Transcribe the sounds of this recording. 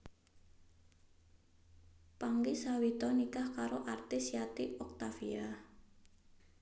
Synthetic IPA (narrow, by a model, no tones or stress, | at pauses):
paŋɡisawit̪ɔnikahkaɾoʔart̪isjat̪iɔk̚t̪afia